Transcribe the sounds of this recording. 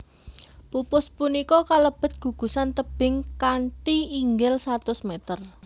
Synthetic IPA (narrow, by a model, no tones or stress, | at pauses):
pupʊspunikɔkaləb̥ə̤t̪̚ɡ̥ṳɡ̥ṳsant̪əb̥ɪŋkantiːŋɡɪlsat̪ʊsmet̪ər